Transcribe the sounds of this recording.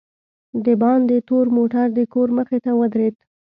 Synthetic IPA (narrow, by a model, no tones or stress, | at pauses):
d̪əbɑnd̪ət̪oɾmoʈaɾd̪əkoɾməxet̪awəd̪ɾed̪